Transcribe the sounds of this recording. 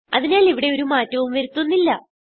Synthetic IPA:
ɐ̰ðinaːliʋiɽe̞o̞ɾumaːtːɐʋumʋeɾut̪ːunːilːɐ

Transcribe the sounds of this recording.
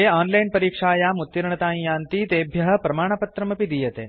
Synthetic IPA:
eɔːnlajnpɐɾiːkʂaːjamut̪ːiɾɳɐt̪aːĩjãːnt̪iːt̪ebʱjɐɦɐpɾɐmaːɳ̃ɐpɐt̪ɾɐmɐpid̪ijet̪ḛː

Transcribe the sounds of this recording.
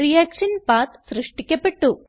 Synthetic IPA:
ɾijɛkʂɐnpat̪sɾɨʂʈikːepɐʈːu

